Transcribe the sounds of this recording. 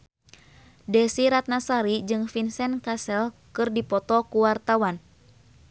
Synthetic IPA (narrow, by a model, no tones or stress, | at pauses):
dɛsiɾat̪̚nasaɾid͡ʒɨŋfinsɛnkasɛlkɨrdipɔt̪ɔkuwart̪awan